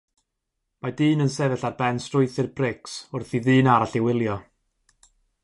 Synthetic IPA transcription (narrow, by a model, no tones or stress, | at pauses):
madɨːnənsɛvɛɬarbɛnstrʊjθɨrbrɪksʊrθiðɨːnaɾaɬɪwɪlˠjɔ